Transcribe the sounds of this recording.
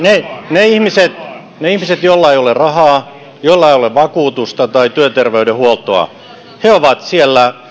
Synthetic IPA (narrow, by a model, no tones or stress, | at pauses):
neneihmiset̪ | neihmiset̪jolːɑeijolerɑhɑː | jolːɑeijoleʋʋɑkuːt̪ust̪ɑt̪ɑit̪yøt̪erʋeydehuolt̪oɑ̰ | heoʋɑt̪sielːæ